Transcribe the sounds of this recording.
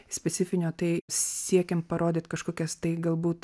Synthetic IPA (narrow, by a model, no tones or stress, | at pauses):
sʲpʲɛt͡s̪sʲɪfʲɪnʲoːt̪ɐɪsʲiɛkʲɛmpɐɾoːd̪ʲɪːt̪kɐʃkoːkʲɛst̪ɐɪɡɐlˠbuːt̪